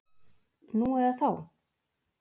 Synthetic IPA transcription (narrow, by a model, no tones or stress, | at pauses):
nuɛðaθaw